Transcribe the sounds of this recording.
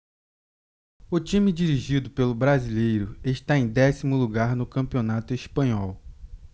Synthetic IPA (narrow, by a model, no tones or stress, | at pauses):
ʊt͡ʃĩmɪd͡ʒiɾiʒid̪ʊpelʊbɾazilejɾʊeʃt̪aẽj̃d̪ɛsimʊluɡaɾnʊkɐ̃pionat̪ʊeʃpɐ̃ɲɔw